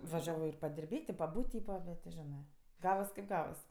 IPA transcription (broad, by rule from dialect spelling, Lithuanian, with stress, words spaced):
ʋɐˈʒʲæːʋoː ɪr pɐdʲɪrʲˈbʲeːtʲ ɪ pɐˈbuːtʲ ˈtʲiːpɐ ˈbʲɛt tʲɪ ˈʒʲæːnɜ ˈɡɑːʋɐs kɐɪp ˈɡɑːʋɐs